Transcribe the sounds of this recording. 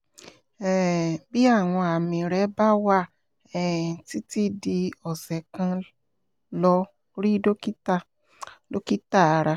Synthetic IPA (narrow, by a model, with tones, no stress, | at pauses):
ɛ˨bi˦a˦˨w̃ɔ̃˧a˨mĩ˨ɾɛ˨˦ba˦wa˦˨ | ɛ˨ti˦ti˦di˧ɔ˨sɛ˨kã˧ | lɔ˧ | ɾi˦do˦ki˦ta˦˨ | lo˦ki˦ta˦˨a˧ɾa˧